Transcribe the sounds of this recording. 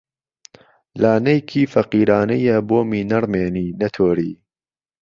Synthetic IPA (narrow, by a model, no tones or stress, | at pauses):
laːnɐjkʰiːfɐqiːɾaːnɐjɐboːmiːnɐɾmeːniːnɐt̪ʰoːɾiː